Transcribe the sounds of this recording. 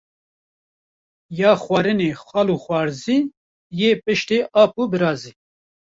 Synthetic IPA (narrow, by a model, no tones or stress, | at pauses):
jɑːxwaːɾɨneːxʷaːluːxʷwaːɾziː | jeːpɨʃt̪eːʔɑːpubɨɾɑːziː